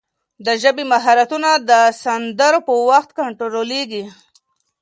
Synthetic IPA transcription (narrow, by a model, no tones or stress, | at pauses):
d̪əʒəbimaɦaɾat̪unad̪əsand̪əɾopəwaxt̪kaɳʈɾoɾoleɡi